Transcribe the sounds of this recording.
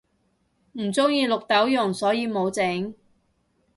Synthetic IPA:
m̩˨˩t͡sʊ˥ŋjiː˧lʊ˨k̚t̪ɐ˨˥wjʊ˨˩ŋsɔː˨˥jiː˨˧mo˨˧wt͡se˨˥ŋ

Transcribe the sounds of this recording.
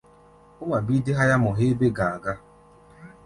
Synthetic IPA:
ʊ˦ma˨bi˦dɪ˦ɦa˦ja˦mɔ˨ɦe˦be˦ɡa˨a˨ɡa˦

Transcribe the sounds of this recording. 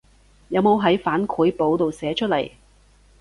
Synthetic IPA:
jɐ˨˧wmo˨˧wɦɐ˨˥jfaː˨˥nkʰuː˨˥jpo˨˥wt̪o˨wsɛː˨˥t͡ʃʰɵ˥t̚lɐ̰˨˩j

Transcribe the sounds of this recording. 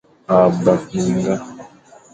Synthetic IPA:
a˨ba˨ki˨ŋ˦ɡa˦

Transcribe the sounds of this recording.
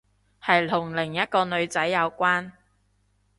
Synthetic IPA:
hɐ˨jlʰʊ˨˩ŋlɪ˨˩ŋjɐ˥t̚kɔː˧nɵ˨˧ɥt͡sɐ˨˥jːɐ˨˧wkʷaː˥n

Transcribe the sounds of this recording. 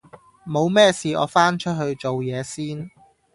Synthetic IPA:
mo˨˧wmɛː˥siː˨ɔ̰ː˨˧faː˥nt͡ʃʰɵ˥t̚hɵ˧ɥt͡so˨wjɛː˨˧siː˥n

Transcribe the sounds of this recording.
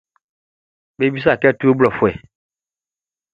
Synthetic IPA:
be˦bi˦s̬a˦˨kɛ˦tu˦o˦blɔ˨fʊ˨ɛ˨

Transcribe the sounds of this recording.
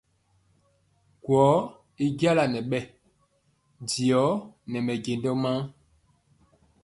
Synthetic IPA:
kwɔ˨˦ | i˦ɡja˦la˨nɛ˨ɓɛ˦˨ | di˨ɔ˨˦nɛ˨mɛ˨ɟe˨ndɔ˦ma˦

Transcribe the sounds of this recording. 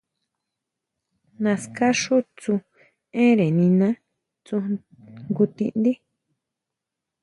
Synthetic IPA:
nã˧ska˦ʂu˦t͡su˧ | ẽ˦ɾe˨nĩ˧nã˦ | t͡su˧ | ŋɡu˧t̪ḭ˧ʔnd̪i˦

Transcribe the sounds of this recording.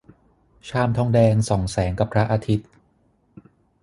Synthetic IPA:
t͡ɕʰaː˧mt̪ʰɔː˧ŋdɛː˧ŋsɔ˩˦ŋsɛː˩˦ŋka˨˩pʰɾa˦˥ʔaː˧t̪ʰi˦˥t̪̚

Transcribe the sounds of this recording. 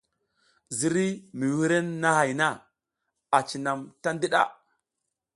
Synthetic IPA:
zi˨ɾi˦mi˨wi˦ɾe˦nːa˦ha˨jna˦ | a˨t͡ʃi˨na˨mta˦ndi˦ɗa̰˦

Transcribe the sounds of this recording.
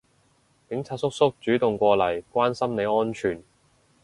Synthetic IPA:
kɪ˨˥ŋt͡sʰaː˧t̚sʊ˥k̚sʊ˥k̚t͡ʃyː˨˥t̪ʊ˨ŋkʷɔː˧lɐ˨˩jkʷaː˥nsɐ˥mne˨˧jɔː˥nt͡ʃʰyː˨˩n

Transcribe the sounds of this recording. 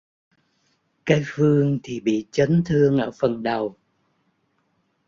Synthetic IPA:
kaː˨˦jfɨ˧əŋt̪ʰi˨˩ɓḭ˧˨t͡ɕə˨˦nt̪ʰɨ˧əŋʔəː˧˩fə˨˩nɗə˨˩w

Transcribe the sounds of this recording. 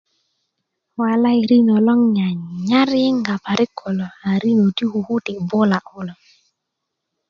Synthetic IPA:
wa˨la˦i˨ɾi˦nɔ˨lɔ˦ŋɲa˨ɲa˦ɾɪ˦ŋɡa˨pa˨ɾɪ˦kʰɔ˨lɔ˨a˨ɾi˦no˨ti˦hu˨hu˦tɪ˨bʊ˦la˨ʔʊ˦lɔ˨

